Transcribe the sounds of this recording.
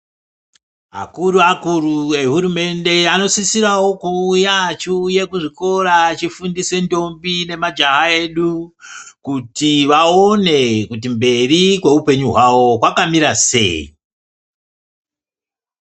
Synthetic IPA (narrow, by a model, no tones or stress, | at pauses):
a̰kuɾuakuɾue̞ɦuɾume̞nde̞ano̞sisiɾawo̞kuːjat͡ʃuje̞kuʐiko̞ɾat͡ʃifundise̞ndo̞mbine̞mad͡ʒaɦae̞ɗukutiʋao̞ne̞kut̬imbe̞rikwe̞upe̞ɲuɦwawo̞kwakamiɾase̞̰ḭ